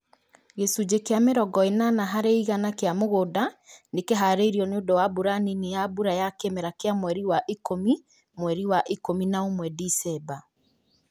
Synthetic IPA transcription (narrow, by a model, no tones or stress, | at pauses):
ɣesud͡ʑekeameɾɔɡɔenanaɦaɾeiɣanakeamoɣodanekeɦaɾeɾiɔneondowabuɾaninejabuɾajakemɛɾakeamwɛɾiwaʔikomi | mwɛɾiwaʔikominaomwɛdisɛba